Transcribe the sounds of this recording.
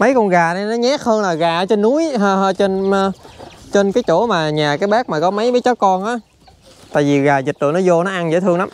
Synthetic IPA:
mə˨˦jkɔ˧nɣaː˨˩na˨˧jnɔ˨˦ɲɛ˨˦˥k̚həː˧nlaː˨˩ɣaː˨˩˦t͡ɕe˧nːu˨˦jɦəː˧ɦə˧t͡ɕe˧n˧ | t͡ɕe˧nkaː˨˦jt͡ɕo˧˩maː˨˩ɲaː˨˩kaː˨˦jɓaː˦˥k̚maː˨˩kɔ˨˦mə˨˦jmə˨˦jt͡ɕɔ˨˦kɔ˧nʔaː˨˦ | t̪a̰ː˧˨ji˨˩ɣaː˨˩zi˨˩t̚lɨ̰˧˨nɔ˨˦zo˧nɔ˨˦ʔa˧nzə̰˧˥˦t̪ʰɨ˧əŋla˨˦m

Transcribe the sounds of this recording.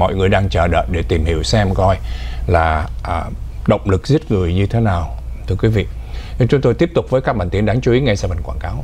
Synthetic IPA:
mɔ̰˧˨jŋɨ˨˩əjɗaː˧ŋt͡ɕəː˨˩ɗə̰ː˧˨jɗe˧˩t̪i˨˩mhi˧˩əwsɛ˧mkɔ˧jlaː˨˩ʔːɗə̰˧˨wŋ͡mlɨ˨˩k̚zi˦˥ət̚ŋɨ˨˩əjɲɨ˧t̪ʰe˨˦naː˨˩wt̪ʰɨ˧əkwi˨˦vḭ˧˨˧ | t͡ɕʊ˨˦ŋ͡mt̪o˧jt̪i˦˥əp̚t̪ʊ˨˩k͡p̚vəː˨˦jkaː˦˥k̚ɓaː˧˩nt̪i˨˦ənɗaː˨˦ŋt͡ɕu˨˧˦i˨˦ŋa˧jsaː˧˩və˨˩nkwaː˧˩nkaː˨˦w

